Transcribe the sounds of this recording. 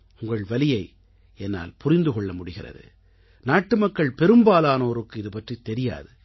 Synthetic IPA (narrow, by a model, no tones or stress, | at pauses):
ʊŋɡɐɭʋɐlɪjɐɪ | ɛnːa̰ːlpʊrɪnd̪ɯkɔɭːɐmʊɽɪɣɪrɐ̰ðɯ̰ | naːʈːɯmɐkːɐɭpɛɾɯmbaːlaːnoːɾɯkːɯɪðɯpɐʈrit̪ːɛɾɪja̰ːðɯ